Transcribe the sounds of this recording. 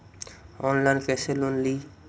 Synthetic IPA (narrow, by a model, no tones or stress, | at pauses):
ɔnlajnkɛselonli